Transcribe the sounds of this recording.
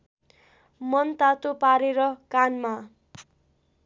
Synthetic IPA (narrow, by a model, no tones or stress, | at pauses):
mʌnt̪at̪opaɾeɾʌkanma